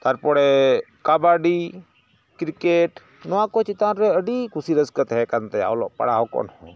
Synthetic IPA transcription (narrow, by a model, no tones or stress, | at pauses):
t̪aɾpɔɽɛ | kabaɖi | kɾikeʈ | nɔwakɔt͡ʃit̪anɾɛəɖikusiɾəskət̪ɦɛkant̪ɛa̰wlɔ̰ʔpə̰ɽaɦɔkɔ̰nhɔ̃